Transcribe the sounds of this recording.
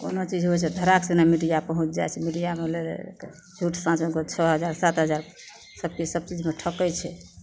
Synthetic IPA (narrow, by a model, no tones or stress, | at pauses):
ko̰not͡ʃid͡ʒɦot͡ʃʰɛd̪ʱəɾaksenamiʈijapəɦũt͡ʃd͡ʒa̰jt͡ʃʰɛmiʈijamelḛ | d͡ʒʱuʈsãt͡ʃokot͡ʃʰɔɦəd͡ʒaɾsat̪ɦəd͡ʒaɾ | səbkisəb̚t͡ʃid͡ʒmeʈʰəkət͡ʃʰɛ